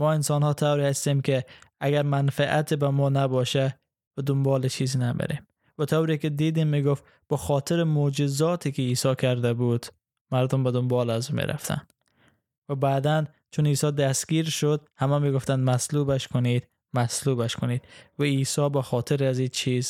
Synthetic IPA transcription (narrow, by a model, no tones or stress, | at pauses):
mɔːɪnsɒnhɒːt̪ʰawɾihast̪imkeaɡæɾmanfaʔat̪ʰebæmɒːnabɒʃa | bad̪ʊmbɒːlɪt͡ʃʰiznamḛɾem | væt̪ʰawɾikɪd̪iːd̪imːiɡoft̪ | b̥æxɔːt̪ʰɪɾɪmod͡ʒɪzɒːt̪ʰikeiːsɒkʰaɾd̪abud̪̥ | maɾd̪ombad̪ʊmbɒlazumḛɾa̰ft̪ʰa̰nd̪̥ | vabæːd̪æn | t͡ʃʰʊniːsɒd̪æst̪ɡiɾʃod̪hamæmiɡoft̪and̪maslubaʃkʊnid̪̥ | maslubaʃkʊnid̪̥vaisɒbæxɔːt̪ʰɪɾaziːt͡ʃʰiz